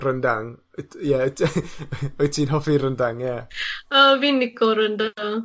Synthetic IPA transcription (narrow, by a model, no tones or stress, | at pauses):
rəndaŋ | ja | ɔjtʰiːnɦɔfiɾəndaŋjaəvinːɪkɔɾənda